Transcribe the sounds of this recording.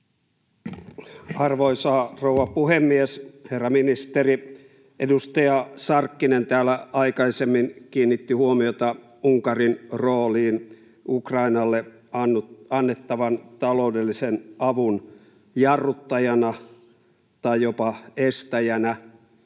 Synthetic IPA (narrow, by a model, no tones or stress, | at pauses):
ɑrʋoisɑːrouʋɑpuhemːiesherːɑminist̪eri | ʔedust̪ɑjɑsɑrkːinent̪æːlæɑikɑisemːinkiːnːit̪ːihuomiot̪ɑ | uŋkɑrinroːliːn | ʔukrɑinɑlːe | ɑnːɑnːet̪ːɑʋɑnt̪ɑloudelːisenɑʋun | jɑrːut̪ːɑjɑnɑ | t̪ɑjjopɑest̪æjænæ